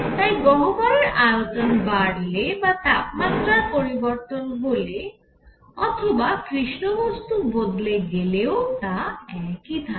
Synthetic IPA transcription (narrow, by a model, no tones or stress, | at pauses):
t̪ajbɔɦobɔɾeɾʔajot͡ʃɔnbaɽlebat̪ap̚mat̪ɾaɾpoɾibɔɾt̪onbole | ɔt̪ʰobakɾiʃnobɔst̪ubod̪leɡeleot̪aɛkit̪ʰa